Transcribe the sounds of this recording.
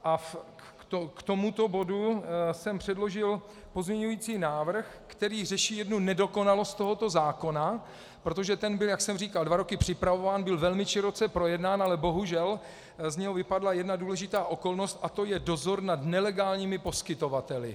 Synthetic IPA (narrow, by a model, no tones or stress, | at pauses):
ʔa | t̪okt̪omut̪o̞bo̞dusɛmpr̝̥ɛdlo̞ʒɪl | po̞zmɲɛɲujiːt͡siːnaːvr̩x | kt̪ɛɾiːr̝ɛʃiːjɛdnunɛdo̞ko̞nalo̞st̪t̪oɦo̞t̪o̞zaːko̞na | pɾot̪̬o̞ʒɛt̪ɛnbɪljaksɛmriːkaldvaɾokɪpr̝̥ɪpɾavovaːnbɪlvɛlmɪʃɪɾo̞t͡sɛpɾo̞jɛdnaːnʔalɛbo̞ɦuʒɛl | zɲɛɦo̞vɪpadlajɛdnaduːlɛʒɪt̪aːʔo̞ko̞lno̞st̪ʔat̪o̞jɛdo̞zo̞ɾnad̪nɛlɛɡaːlɲiːmɪpo̞skɪt̪o̞vat̪ɛlɪ̰